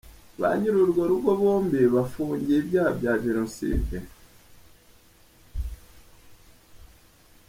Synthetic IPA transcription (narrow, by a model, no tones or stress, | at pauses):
βa̰ɲiɾoɾɡaɾuɡoβoːmbiβafuːɲɟeβjaːbjaβiɾonsḭːnte